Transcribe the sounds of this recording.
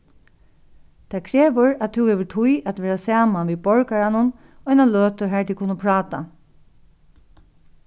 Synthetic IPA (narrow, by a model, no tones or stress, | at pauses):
t̪ʰakʰɾeːʋʊɹat̪ʰuwhɛːʋɪt̪ʰujat̪ʋɛːɹasaːmanʋiːbɔɹkaɹanʊn | ɔjnaløːt̪ʊɹɦɛɹt̪ikʰʊnːəpʰɹɑːt̪a̰